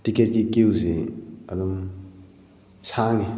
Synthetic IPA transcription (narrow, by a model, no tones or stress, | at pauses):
tiket̚kikiwziɐdum | saŋi